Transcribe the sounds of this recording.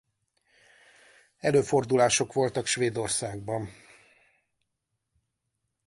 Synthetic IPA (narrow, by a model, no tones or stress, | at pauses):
ɛløːfo̞rd̪ulaːʃo̞kʋo̞lt̪ɒkʃʋeːd̪o̞rsaːɡ̚bɒn